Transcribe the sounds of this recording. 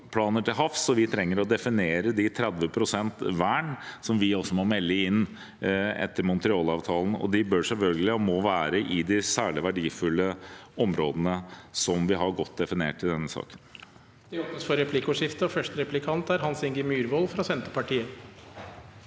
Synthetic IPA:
pʰlɑːnəʈɪlɦɑfsɔʋɪt̪ʰɾɛŋːəɾɔd̪ɛfɪneːɾəd̪ɪt̪ʰɾɛd̪ʋəpʰɾʊsɛnt̪ʋæːɳsɔmʋɪɔsːɔmɔmɛlːəɪnː | ɛ̰t̪ːəɾmʊnt̪ɾɪɑːlɑːʋt̪ʰɑːln̩ɔ̰d̪ɪbœʂɛlfœlɡəlɪɔmɔʋæːɾəʔɪd̪ɪsæːɭɪʋæɖiːfʉlːəɔmɾoːd̪ənəsɔmʋɪɦɑɾɡɔt̪ːd̪ɛfɪneːʈːɪld̪ɛnːəsɑ̰ːkən | d̪̥ɛɔəsfɔɾɛpʰlɪkʊʂɪft̪əɔfœʂtəɾɛplɪkʰɑnt̪æɾhɑnsɪŋɡəmyːɾʋoːlfɾɑsɛnt̪əpɑʈʰiːə

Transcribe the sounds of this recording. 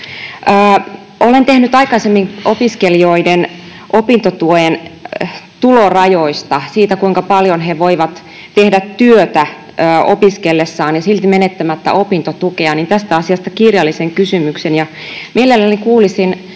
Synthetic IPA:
ʔəː | olent̪ehnyt̪ɑikɑisemːiŋopiskelioiden | ʔopint̪ot̪uoen | t̪ulorɑjoist̪ɑsiːt̪ækuiŋkɑpɑljonɦeʋoiʋɑt̪ | t̪e̞hdæt̪tːyøt̪æ | əːopiskelːesːɑːnjɑsilt̪imenet̪ːæmæt̪ːæ̰ʔo̞pint̪ot̪ukeɑnint̪æst̪æɑsiɑst̪ɑkirjɑlːiseŋkysymyksenjɑ | mʔielelːænikuːlisin

